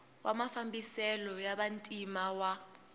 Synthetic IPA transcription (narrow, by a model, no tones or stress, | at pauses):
wʔa̰mafambisɛlɔjaɓantʼimawa